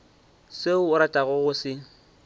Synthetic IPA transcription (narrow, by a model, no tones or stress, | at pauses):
seʊʊɾatʼaɣʊɣʊsɪŋ̩